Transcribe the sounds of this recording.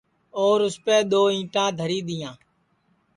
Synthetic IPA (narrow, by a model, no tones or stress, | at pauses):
oːɾʊspeːɗ̪oːĩːʈãːd̪ʱəɾiːɗ̪ɪjãː